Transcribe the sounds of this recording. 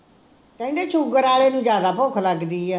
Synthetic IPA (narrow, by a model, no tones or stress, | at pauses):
t̪ə̃ɪɳɖeːt͡ʃʰuːɡəɾaːleːnũːd͡ʒjaːd̪aːpoːkʰləɡd̪iːɛː